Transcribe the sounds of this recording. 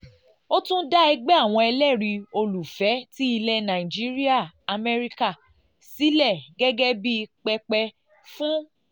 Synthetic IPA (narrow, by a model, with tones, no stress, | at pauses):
o˦tũ˦da˦ɛ˧ɡ͡bɛ˦a˦˨w̃ɔ̃˧ɛ˧lɛ˦˨ɾi˧o˧lu˨fɛ˨˦ti˦i˧lɛ˧nã˨ĩ˨d͡ʒi˨˦ɾi˦a˦˨a˧mɛ˧ɾi˦ka˦˨ | si˨˦lɛ˦˨ɡɛ˦ɡɛ˦bi˦˧k͡pɛ˧k͡pɛ˧ | fũ˦